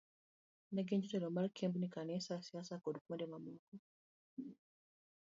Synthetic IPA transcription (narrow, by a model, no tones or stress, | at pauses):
nɛɡeɲd͡ʒutɛlomaɾkʰɛmbnikanɛsasiasakodukmandɛmamɔku